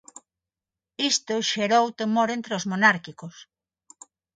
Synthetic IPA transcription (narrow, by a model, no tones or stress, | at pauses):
ist̪oʃeɾowt̪emoɾent̪ɾeozmonaɾkikos